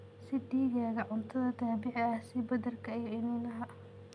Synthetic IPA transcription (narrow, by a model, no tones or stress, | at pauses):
sɪɖiːɣaːɣɐʕʊnt̪ʰɐðɐt̪ʰaːbɪʕɪɐhsɪbɐðɐrkʰɐɪjɪnuːnɐɦaː